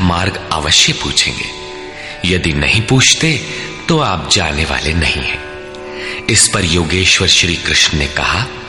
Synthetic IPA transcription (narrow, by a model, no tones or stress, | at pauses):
maːɾɡa̰ːʋəʃjəpṵːt͡ʃʰḛ̃ːŋɡḛː | jɐd̪inɐ̰ɦĩpuːt͡ʃʰt̪e | t̪oaːp̚d͡ʒaːneʋa̰ːlenɐɦḭ̃ɦɛ̰̃ː | ɪspɐɾjoːɡeːʃʋəɾʃɾiːkɾɪʃɳənekɐ̰ɦaː